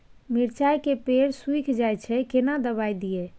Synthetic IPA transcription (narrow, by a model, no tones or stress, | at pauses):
miɾt͡ʃajkepeɾsuikʰd͡ʒajt͡ʃʰɛkenad̪əbajd̪ije